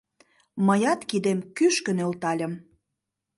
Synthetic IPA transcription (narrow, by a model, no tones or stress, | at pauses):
məjɑt̪kid̪emkyʃkə̆nelt̪ɑlʲə̆m